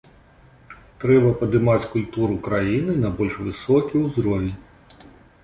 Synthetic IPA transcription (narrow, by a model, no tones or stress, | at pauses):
t̪ɾɛbɐpɐd̪ɨmat͡sʲkulʲt̪uɾukɾajinɨnɐbɔlʲʂvɨsɔkʲiwzɾɔvʲi